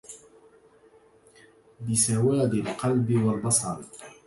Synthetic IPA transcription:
bɪsawaːd̪ɪlqɑlbiwalbɑsˤɑɾ

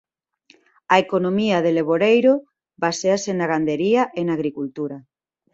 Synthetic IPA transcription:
aekonomiaðeleβ̞oɾejɾo | baseasenaɣand̪eɾiaʔenaɣɾikult̪uɾa

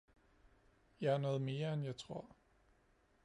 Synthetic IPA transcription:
jɑ̈ɪænɔ̽ːð̞̩ˠme̝ːɐenjɑ̈ɪt͡sʰʁo̝ɐ̰

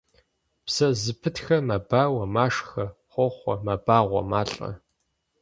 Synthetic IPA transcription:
psɐzɨpʰɨtxɐmɐbaːwɐmaːʂxɐχʷɔχʷɔmɐbaːʁʷɔ̰maːɬʼɐ̰

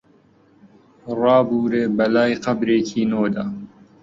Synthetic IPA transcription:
rɑːbuːɾeːbɐlaːjqɐbɾeːkʰiːnoːd̪aː

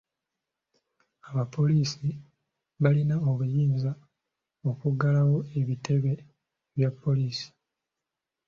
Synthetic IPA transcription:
aβapo̞liːsi | βalinaoβujiːnza | o̞kuɡalawo̞e̞βitʰe̞βe̞ | βjapːo̞liːsi̥

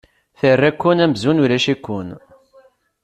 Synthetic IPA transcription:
θərːækːunæmzunulæʃikːun

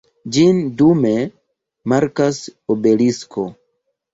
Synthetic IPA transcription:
d͡ʒindume | maɾkasobelisko

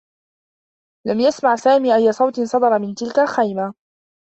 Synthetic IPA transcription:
lamjasmaʕsaːmiːʔajːasˤɑwt̪ɪnsˤɑd̪ɑɾˤɑmɪnt̪ɪlkalxajma

